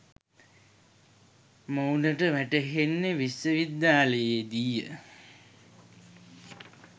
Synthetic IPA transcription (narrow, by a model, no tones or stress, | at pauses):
mownəʈəʋæʈəɦenːeʋisːəʋid̪jaːləjed̪ijə